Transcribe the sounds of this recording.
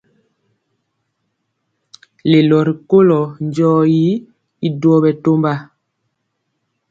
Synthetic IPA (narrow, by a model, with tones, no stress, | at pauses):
le˨lɔ˨ɾi˨ko˦lɔ˨nd͡ʒɔː˦ji˦ | i˦dɔ˦bɛ˨to˦mba˦